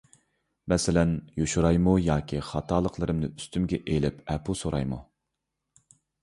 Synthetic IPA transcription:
mɛsɪlɛnjoʃuɾɑjmujɑːkʲʰiχɑt̪ʰɑːlˠəqlˠɨɾɨmnɨ̰yst̪ymɡʲɛʔelɪpʰɛpʰusoɾɑ̰jmṵ

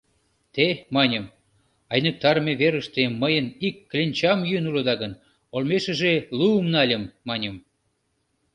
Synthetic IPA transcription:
t̪emɑnʲəm | ɑjnək̚t̪ɑɾmeβeɾəʃt̪eməjənikːlʲenʲt͡ɕɑmjynuləd̪ɑɣən | olmeʃə̆ʒeluːmnɑlʲə̆mːɑnʲəm

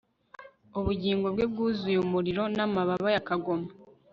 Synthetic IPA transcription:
uβuɟiːŋɡo̞bɡeb̚ɡuːzujumuɾiɾo̞namaβaβajakaɡo̞ma

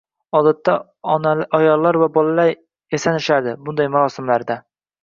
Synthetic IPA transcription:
ɒd̪at̪ːa | ɒnaʔɒjɒlˠːaɾvabɒlˠalaɾ | esanɪʃaɾd̪ɪbʊnd̪ajmaɾɒsɪmlaɾd̪a

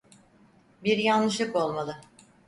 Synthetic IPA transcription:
biɾjanːɯʃɯko̞lˠmalˠɯ

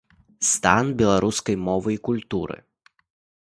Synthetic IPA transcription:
st̪a̰nbʲɛlˠaɾʔuskɐjmɔvɨikulʲt̪uɾɨ̰

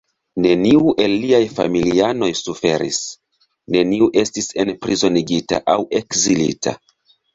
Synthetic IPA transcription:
ne̞niuʔe̞lːiajfa̰miliano̞jsufe̞ɾḭs | ne̞niuʔe̞stise̞npɾizo̞niɡita̰ʔawe̞kzilḭtʰa̰

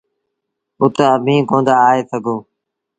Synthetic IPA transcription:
ʊt̪əəbʱĩːkõːnd̪aːeːsəɡʱoː

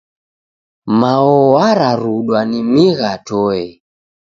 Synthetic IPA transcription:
maɔwaɾaɾuɗwanimiɣatɔɛ

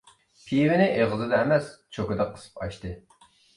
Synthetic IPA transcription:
pʰijwɪnɪʔeʁəzɨd̪ɛːmɛst͡ʃʰokɨd̪ɛqʰːə̥sɨ̥pɑ̰ʃt̪ɨ

